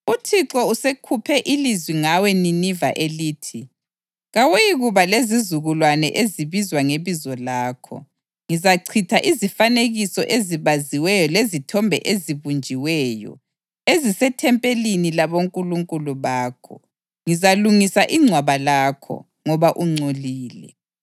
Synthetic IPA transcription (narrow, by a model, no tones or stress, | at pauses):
utʰiǁɔusekʰupʰɛʔilizwiŋawɛniniva̰ʔeliːtʰi | ɣawejiɣuβalezizuɣulwanɛ̰ʔeziβizwaŋeβizwɔlaːkʰɔ̰ | ŋizaǀʰitʰaʔizifaneɣisɔʔeziβaziwɛjɔlezitʰɔmbʱɛ̰ʔeziβund͡ʒʱiwɛːjɔ̰ | ezisɛtʰɛmpʼelinilaβoŋkʼuluŋkʼuluβaːkʰɔ̰ | ŋizaluŋisaʔiŋ͡ǀʱwaβalaːkʰɔ̰ | ŋɔβaʔuŋ͡ǀoliːlɛ̰